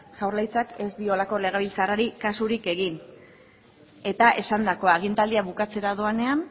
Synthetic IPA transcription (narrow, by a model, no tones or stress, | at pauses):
ʝawɾlajt͡sake̞zd̪io̞lako̞le̞ɣ̞eβilt͡saraɾikasuɾike̞ɣin | e̞t̪aʔe̞sand̪ako̞aɣ̞int̪ald̪iaβukat͡se̞ɾaðoane̞an